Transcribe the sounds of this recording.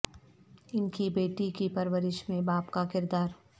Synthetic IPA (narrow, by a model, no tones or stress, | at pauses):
ɪnkibeːʈikipɐɾʋəɾɪʃmẽbaːpkakɪɾd̪aːɾ